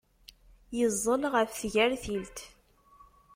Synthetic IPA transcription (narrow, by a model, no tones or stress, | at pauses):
jəzˤːənʁəfθʝæɾθilt̪